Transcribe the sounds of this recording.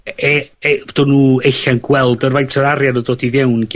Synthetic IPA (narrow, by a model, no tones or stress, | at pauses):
ɛd̥ɔnuːejɬanɡwɛlˠdərvajntʰəɾaɾjanədoːdiðjewnɡ